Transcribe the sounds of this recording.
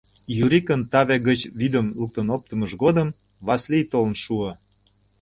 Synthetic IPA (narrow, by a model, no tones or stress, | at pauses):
juɾikənt̪ɑβeɡət͡ɕβyd̪əmluk̚t̪ənop̚t̪ə̆məʃɡod̪əm | βɑslijt̪olənʃuə